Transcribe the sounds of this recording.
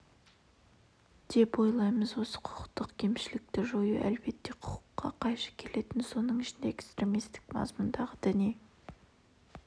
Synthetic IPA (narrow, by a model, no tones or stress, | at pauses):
d̪̥e̞pwo̞jlˠɑjməzwo̞sə̥qʰʊ̥qə̥qt̪əqkʲʰe̞mʃɪlɪk̚t̪ɪʒojuʔæ̰lbe̞t̪ːe̞qʰʊ̥qə̥qːɑ̰qʰɑjʃɑ̥kʲʰe̞le̞t̪ɪnso̞nəɴɪʃɪnd̪eekst̪ɾe̞mist̪ɪ̥kmɑ̰zmʊnd̪ɑʁəd̪ɪni